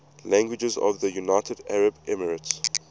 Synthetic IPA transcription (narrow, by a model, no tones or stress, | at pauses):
læ̃ŋɡwɪd͡ʒəzɔ̰vðəjunaɪtʰədæɹəbɛməɹəts